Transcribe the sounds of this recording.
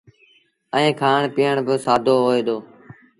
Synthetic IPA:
əẽːkʰaːɳpɪjəɳbɪsaːd̪ʱoːɦoːeːd̪oː

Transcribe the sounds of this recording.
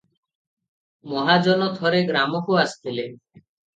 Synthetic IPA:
mɔɦad͡ʒɔnɔt̪ʰɔɾeɡɾamɔkoast̪ile

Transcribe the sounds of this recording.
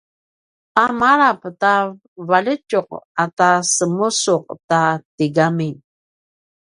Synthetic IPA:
amaɾapta | valət͡ʃuq̚atasəmusʊq̚tatiɡamin

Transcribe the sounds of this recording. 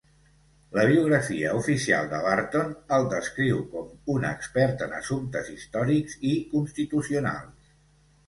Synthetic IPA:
ləβ̞iuɣ̞ɾəfiəufisia̰lˠd̪əβaɾt̪onəlˠd̪əskɾiwkɔmunə̰kspɛɾt̪ənə̰sunt̪əzist̪ɔɾikzikunst̪it̪usiuna̰lˠs

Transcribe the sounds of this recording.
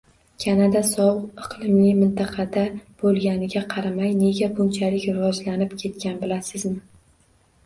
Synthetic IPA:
kʲʰanad̪asɒwʊqɨqʰlˠɪmɪjmɪnt̪ʰɑqʰɑd̪ab̥olˠɡʲanɪɡʲaqʰɑɾamajne̞ɡʲabʊnt͡ʃʰalɪkʲɾɪvɒd͡ʒlanɪpkʲʰe̞t̪̚kʲanbɪlasɪzmɪ

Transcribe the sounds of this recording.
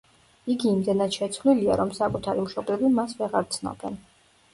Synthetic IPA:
iɡiːmd̪ɛnad̪ʃɛt̪sʰvlilia̰ɾɔmsakʼut̪ʰaɾimʃɔblɛvimasvɛʁaɾt̪sʰnɔ̰b̥ɛn

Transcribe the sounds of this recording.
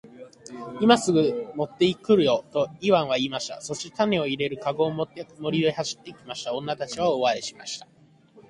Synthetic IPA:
imasɨɡɯ̟mo̞t̪ːe̞ikɯ̟ɾɯ̟jo̞t̪o̞iβãɰ̃β̞aiːmaɕi̥t̪a̰so̞ɕit̪ane̞o̞iɾe̞ɾɯ̟kaɡo̞ːmot̪ːemo̞ɾʲid̪o̞ihaɕi̥t̪ːe̞ikʲimaɕi̥t̪aõ̞nːat̪at͡ɕiβaoβaɾeɕi̥maɕi̥t̪ḁ

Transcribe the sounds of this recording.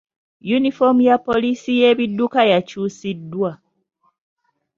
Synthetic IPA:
junifo̞mujapːo̞lisije̞ːβidːukajacuːsidːwa

